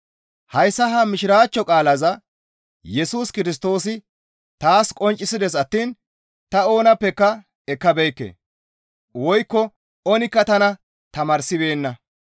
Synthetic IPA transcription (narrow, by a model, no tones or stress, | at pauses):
hɐjsːɐɦɐmɪʃɪɾaːt͡ʃːɔkʼaːlɐzɐ | jɛsuːskɪɾɪs̬t̪o̞ːsɪ | t̪aːskʼɔnt͡ʃʼːɪsɪd̪ɛs̬ɐt̪ːiːn | t̪ɐo̞ːnɐpːɛkːɐ | ɛkːɐbɛjkːḛː | wɔjkːɔ | ɔnɪkːɐt̪ɐnɐ | t̪ɐmɐɾsɪbe̞ːnːɐ